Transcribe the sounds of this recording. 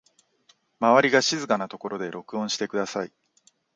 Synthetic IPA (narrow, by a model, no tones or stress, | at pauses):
maβaɾʲiɡaɕizɨkanat̪o̞ko̞ɾo̞d̪e̞ɾʔo̞kɯ̟õɕi̥t̪e̞kɯ̟d̪asai